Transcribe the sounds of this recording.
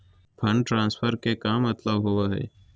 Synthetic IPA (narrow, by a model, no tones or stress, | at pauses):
pʰɐ̃ɳɖʈɾãːnsfʰəɾkekaːmːɐt̪ləbɦʊaɦɛ̰ː